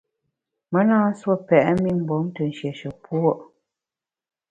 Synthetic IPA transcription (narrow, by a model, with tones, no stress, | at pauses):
mə˨˦naː˦n̩˦swo˦˨pɛ˨ʔmi˦m̩˨bɔ˨˦mtə˨n̩˨ʃjɛ˨ʃə˨pwo˦ʔ